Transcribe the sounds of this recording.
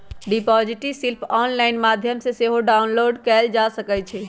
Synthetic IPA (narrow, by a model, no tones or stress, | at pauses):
ɖipɔːd͡ʒiʈisilpʰɔːnlaːɪnmaːd̪ʱjəmseseɦoɖaːʊnloːɖkɛːld͡ʒasəkɛt͡ʃʰɛ